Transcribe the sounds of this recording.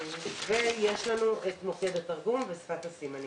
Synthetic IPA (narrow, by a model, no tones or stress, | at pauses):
vejeʃlanuʔet̪moked̪ataʁɡumvesfat̪asimani